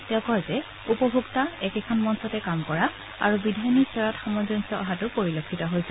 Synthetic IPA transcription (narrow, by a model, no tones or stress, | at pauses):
tɛʊ̃kɔlzɛ | upɔbʱuɡtaɛkɛkʰɔnmɔnsɔtɛkamkɔɹa | a̰ɹubidʱajnisɔɹɔtxɔmɔzɔnsɔɔɦatʊpoɹilokʰːitɔɦojsɛ